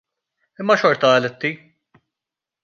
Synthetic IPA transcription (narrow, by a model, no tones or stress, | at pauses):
ɪmːɐʃɔɾt̪ɐːlɪt̪ːi